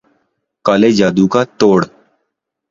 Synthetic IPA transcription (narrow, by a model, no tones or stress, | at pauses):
kaːleːd͡ʒaːd̪uːkaːt̪oːɽ